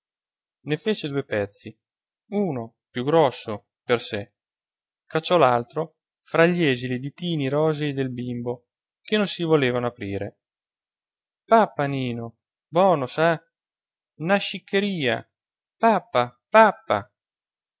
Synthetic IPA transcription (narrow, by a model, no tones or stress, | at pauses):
nefeːt͡ʃed̪uːepɛt̪sːi | uːno | pjuɡɾɔsːo | perse | kat͡ʃːɔlalt̪ɾo | fɾaʎːɛːzilid̪it̪iːniɾɔːzeid̪elbimbo | kenːonsivoleːvanoapɾiːɾe | papːaniːno | bɔːnosa | naʃːikʰːeɾiːa̰ | papːapapːa̰